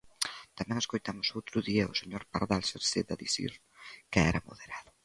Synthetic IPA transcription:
t̪amɛ̃ŋeskojt̪amʊsowt̪ɾʊðiɐʊ̰seɲoɾpa̰ɾðalseɾseðaðiθḭɾ | kɪɛɾɐmo̰ðeɾaðʊ

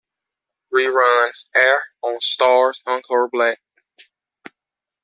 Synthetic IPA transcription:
θɹiɹʌnz̥ɛɹə̃nstɑɹz̥hʌ̃ŋkʰɔɹblæk̚

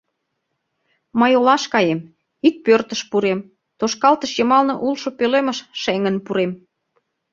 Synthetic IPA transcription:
məjolɑʃkɑjem | ik̚pørt̪əʃpuɾem | t̪oʃkɑlt̪əʃjəmɑlnoʔulʃopøleməʃʃeŋənpuɾem

